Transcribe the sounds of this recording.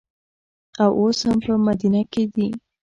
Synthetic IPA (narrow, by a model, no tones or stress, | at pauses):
awʔoshampəmad̪inaked̪i